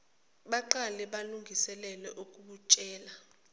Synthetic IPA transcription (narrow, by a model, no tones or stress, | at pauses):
ɓaǃalɛɓaluŋɡʱisɛlɛlɛʔukʼuɓut͡ʃʼɛːla